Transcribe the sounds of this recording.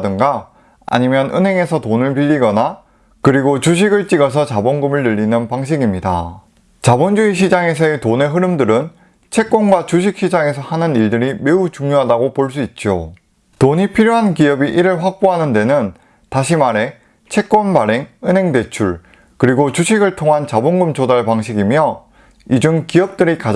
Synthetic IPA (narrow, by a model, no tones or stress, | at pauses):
dɯŋɡa | a̰ɲimjʌnɯ̰nɦe̞ŋe̞sʰʌtonɯɭpiʎːiɡʌna | kɯɾiɡot͡ɕuɕ̬ʰiɡɯɭt͡ɕ͈iɡʌs̬ʰʌt͡ɕabonɡɯmɯɭnɯʎːinɯnpaŋɕ̬ʰiɡimɲida̰ | t͡ɕabond͡ʑuiɕ̬ʰid͡ʑaŋe̞s̬ʰʌetone̞ɦɯɾɯmdɯɾɯn | t͡ɕʰe̞k͈wʌnɡwat͡ɕuɕʰik̚ɕ͈ʰid͡ʑaŋe̞s̬ʰʌhanɯniɭdɯɾime̞ut͡ɕuŋɲjoɦadaɡopoɭs̬͈uit̚t͡ɕ͈o | toɲipʰiɾjoɦankiʌbiʔiɾɯɭɸwak̚p͈oɦanɯnde̞nɯn | taɕʰimaɾe̞ | t͡ɕʰe̞k̚k͈wʌnbaɾe̞ŋɯnɦe̞ŋde̞t͡ɕʰuɭ | kɯɾiɡot͡ɕuɕʰiɡɯɭtʰoŋɦant͡ɕaboŋɡɯmt͡ɕodaɭpaŋɕʰiɡimjʌ | id͡ʑuŋkiʌp̚t͈ɯɾika